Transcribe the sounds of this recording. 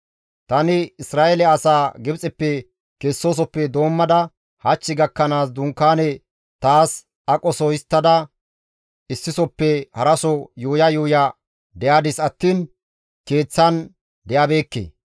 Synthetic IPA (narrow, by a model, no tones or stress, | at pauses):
t̪ɐnɪɪsɾaːʔɛlɛɐsaːɡɪbt͡sʼɛpːɛ | kesːo̞ːs̬ɔpːɛd̪o̞ːmːɐd̪ɐ | hɐt͡ʃːɪɡɐkːɐnaːs̬d̪ʊŋkːaːnɛ | t̪aːs | ɐkʼɔsɔjɪst̪ːɐd̪ɐ | ɪsːɪsɔpːɛhɐɾɐsɔjuːjɐjuːja | d̪ɛjaːd̪ɪsɐt̪ːiːn | ke̞ːt͡sːɐn | d̪ɛjabe̞ːkːḛː